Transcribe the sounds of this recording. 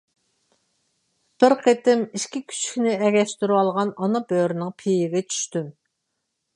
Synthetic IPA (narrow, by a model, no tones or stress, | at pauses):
b̥ɪɾqʰet̪ɪmiʃkʲikʲʰy̥t͡ʃʰy̥kʲnɪɛɡʲɛʃt̪yɾɑlˠʁɑnɑnɑbøɾnɪŋpʰejɪɡʲɛt͡ʃʰy̥ʃt̪ym